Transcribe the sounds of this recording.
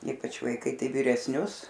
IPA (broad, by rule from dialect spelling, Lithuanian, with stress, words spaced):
ˈiːpɐt͡ʃ ʋɐɪˈkɐɪ ˈtɐɪ ʋʲɪrʲɛsʲˈnʲʊs